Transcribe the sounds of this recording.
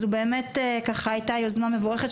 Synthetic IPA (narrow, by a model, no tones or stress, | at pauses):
zube̞ːmetekaχajtajozmamevoʁeχet